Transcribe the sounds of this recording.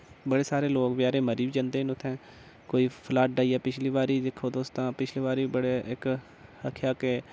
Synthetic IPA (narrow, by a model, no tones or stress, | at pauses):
bəɽeːsaːɾeːloːkbjaːɾeːməɾiːbid͡ʒãːnd̪eːnʊt̪ʰːɛ̃ː | koːiːpʰlaːʈ̚ɖaːiːjaːpɪt͡ʃʰliːʋaːɾiːd̪ɪkʰːoːd̪oːst̪ãːpɪt͡ʃʰliːʋaːɾiːbəɽeːʔɪk | əkʰjaːkeː